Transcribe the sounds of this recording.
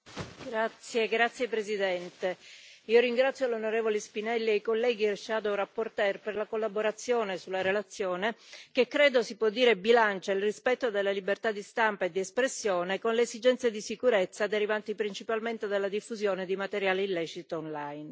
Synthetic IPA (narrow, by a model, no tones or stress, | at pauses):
ɡɾat̪sːjeɡɾat̪sːjepɾezid̪ɛnt̪eiːoɾiŋɡɾat̪sːjolonoɾeːvolespinɛlːiejkolːɛːɡiɛrʃaːd̪oɾapːort̪ɛrperlakolːaboɾat̪sːjoːnesulːaɾelat̪sːjoːnekekːɾeːd̪osipwɔd̪ːiːɾebilant͡ʃailrispɛt̪ːod̪elːalibert̪ad̪ist̪ampaed̪ːiespɾesːjoːnekonleːzid͡ʒɛnt̪sjed̪isikuɾet̪sːad̪eɾivant̪ipɾint͡ʃipalment̪ed̪elːad̪ifːuzjoːned̪imat̪eɾjaːleilːɛt͡ʃit̪oonlajn